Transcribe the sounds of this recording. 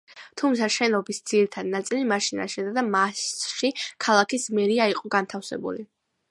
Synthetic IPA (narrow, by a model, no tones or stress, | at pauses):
t̪ʰumt̪sʰaʃɛnɔbisd̪ziɾit̪ʰad̪nat̪sʼilimaʃina̰ʃɛd̪ad̪amasʃikʰalˠakʰismɛɾiaiqʼɔɡant̪ʰafsɛ̰bṵli